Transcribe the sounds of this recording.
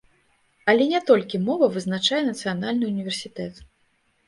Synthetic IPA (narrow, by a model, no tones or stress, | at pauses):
ɐlʲɛnʲɛt̪ɔlʲkʲimɔvɐvɨznat͡ʂajɛnɐt̪sɨjanalʲnɨunʲivʲɛrsʲit̪ɛt̪